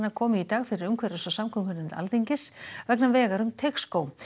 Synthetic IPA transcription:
nakʰɔːmɪit̪aːɣfɪɾɪɾʏmkʰvɛɾasɔsamkʰʏmkʏnɪnt̪a̰lt̪iɲcɪsvɛknamvɛːɣaɾʏmt̪ʰekskow

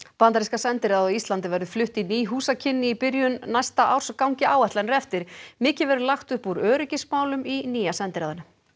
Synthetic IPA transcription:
pant̪aɾɪskasɛnt̪ɪɾaðɔist̪lant̪ɪvɛɾðʏflʏht̪iniːɦuːsacʰɪnːɪipɪɾjʏnːajst̪aʔawr̥skawɲcɪaːwɛht̪anɾɛft̪ɪɾ̥mɪːcɪvɛɾðʏlaxt̪ʏhpuɾœːɾʏcɪsmaːwlʏminiːjasɛnt̪ɪɾaːðanʏ

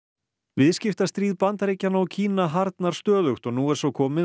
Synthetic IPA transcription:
vɪðscɪft̪ast̪ɾiːðpant̪aɾeːcanawcʰiːnaɦaɾt̪naɾ̥st̪œːðʏxt̪ɔɣnuːɛɾ̥sawkʰɔːmɪ

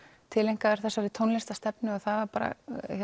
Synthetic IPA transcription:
t̪ʰɪlːejŋ̥kaðɛɾ̥θɛsːaɾit̪ʰownlɪst̪ast̪ɛpnɪɔθaðvaɾpaːɾa̰ɛ

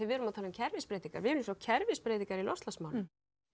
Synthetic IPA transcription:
ɪvɛɾʏmawt̪ʰalnʏmcʰɛɾvɪspɾeːjt̪iŋkaɾvɪɛɾlɪmsawcʰɛɾvɪspɾeːjt̪iŋkaɾilɔslasmawnʏ

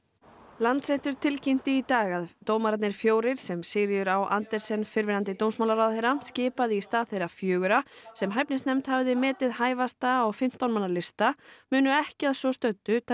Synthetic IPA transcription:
lant̪sɛjht̪ʏɾ̥t̪ʰɪlcɪm̥t̪ɪit̪aːɣaðt̪oːwmaɾat̪nɪɾ̥fjoːwɾɪɾ̥sɛmsɪɾjʏɾawʔa̰nt̪ɛɾ̥sɛnfɪɾvɪnant̪̬ɪt̪oːwmsmawlaɾawðhejɾamscɪːpaðɪist̪aːðθejɾafjʏːɣʏɾasɛmɦajpnɪsnɛmt̪havðɪmɛːt̪ɪðhaːjvast̪aɔɣfɪm̥t̪awnmanːaɾlɪst̪amʏːnʏɛhcɪaðsvɔst̪œt̪ːʏt̪ʰ

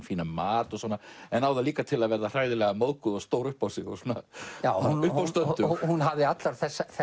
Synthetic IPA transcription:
fiːnamaːt̪ɔsɔnaɛnaːwðaliːkat̪ʰɪlaðvɛɾðar̥aːjðɪlɛɣamoðkʏðɔst̪owɾʏhpawsɪɣɔ̰suna̰jawʏhawst̪œnʏhunɦavðɪat̪laɾ̥θɛsːaθɛ

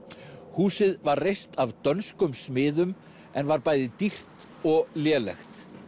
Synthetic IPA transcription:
huːsɪðvarrejst̪avt̪œnskʏmsmɪːðʏm | ɛnvaɾpaːjðɪt̪ir̥t̪ | ɔɣljɛːlɛ̰xt̪

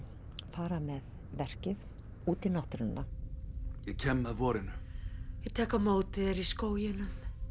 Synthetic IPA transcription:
faːɾamɛð | vɛr̥cɪð | uːt̪ɪnaht̪ɾʏnːa | jɛcʰɛmːɛðvɔːɾɪnʏjɪt̪ʰɛːkamoːwt̪ɪɾiskoːwjɪnʏm

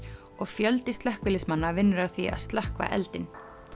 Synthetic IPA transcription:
ɔɣfjœlt̪ɪst̪lɛhkvɪlɪsmanːavɪnːʏɾḁθvia̰ðst̪lɛhkva̰ʔɛ̰lt̪ɪn

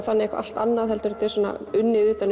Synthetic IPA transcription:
θanːɪɛhkva̰ʔa̰l̥t̪anːaðɦɛlt̪ʏɾʏt̪ʰɪsɔnːa̰ʏnːɪʏːt̪an

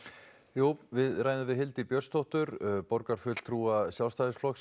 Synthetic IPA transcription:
joːwvɪðraːjnavɪðɦɪlt̪ipjœr̥st̪ʰɔht̪ʏɾpɔɾkaɾ̥fʏl̥t̪ʰɾuːasjawlst̪aːðɪsflɔks

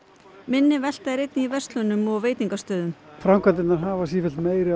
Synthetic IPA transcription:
mɪnːɪvɛl̥t̪aɾejt̪niivɛst̪lʏnʏmɔɣveːjt̪iŋkast̪œːðʏmfɾamkʰant̪ɪtnaɾɦaːvasifɪlt̪meːjɾɪ

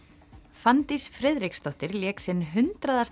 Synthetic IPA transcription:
fant̪isfɾɛðɾikst̪ɔht̪ɪɾljɛːksɪnɦʏnt̪ɾaðas

